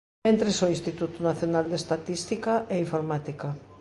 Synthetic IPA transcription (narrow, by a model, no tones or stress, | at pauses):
ent̪ɾesoĩnst̪it̪ut̪ʊnaθjonald̪est̪at̪ist̪ikaʔeiɱfoɾmat̪ika